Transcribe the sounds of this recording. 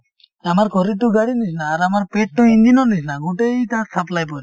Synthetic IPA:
amaɾkʰɔɾituɡaɽinisnaːɾamaɾpeʈ̚ːuind̪inɔnisnaɡuʈejt̪asaplajpɔɾi

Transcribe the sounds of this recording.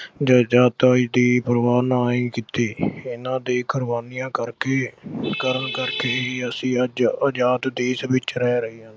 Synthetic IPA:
d͡ʒaːd͡ʒaːt̪aːiːd̪iːpəɾəʋaːɾnaːĩːkɪt̪iːɪnãːd̪eːkəɾʋaːnijãːkəɾkeːkəɾəɳkəɾkeːiəsĩːəd͡ʒəd͡ʒaːt̪d̪eːsʋɪt͡ʃɾɛːɾəiːɦãːn

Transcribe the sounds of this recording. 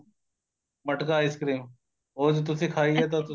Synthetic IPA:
məʈkaːɪskɾiːm | oːd͡ʒot̪̬ʊsʰẽkʰaːiɦɛt̪̬ot̪

